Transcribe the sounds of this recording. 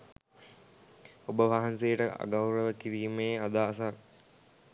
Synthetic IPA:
obəʋaɦansejəʈəa̰ɡawɾəʋəkiɾiːmeːad̪aːsa

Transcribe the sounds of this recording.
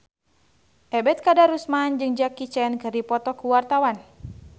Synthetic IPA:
ʔɛbɛt̪̚kadaɾusmand͡ʒɨŋd͡ʒakit͡ʃɛnkɨrdipɔt̪ɔkuwart̪awan

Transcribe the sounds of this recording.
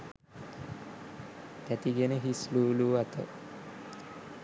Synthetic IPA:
t̪æt̪iɡenəɦisluːluat̪ə̰

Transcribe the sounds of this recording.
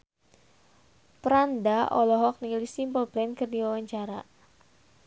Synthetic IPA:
pəɾandaʔɔlɔɦɔk̚nilisimpɔlplɛnkərdiwawaɲt͡ʃaɾa

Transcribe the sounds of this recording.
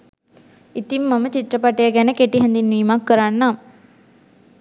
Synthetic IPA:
it̪imːamət͡ʃit̪ɾəpaʈəjəɡɛnəkeʈiɦɛnd̪inʋiːmakːəɾanːam

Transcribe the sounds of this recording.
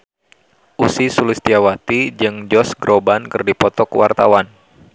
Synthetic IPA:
ʔusisulist̪iawat̪id͡ʒɨŋd͡ʒɔsɡɾobankɨrdipɔt̪ɔkwart̪a̰wan

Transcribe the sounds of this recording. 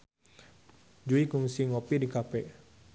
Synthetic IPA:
d͡ʒuikuŋsiŋopidikapɛ

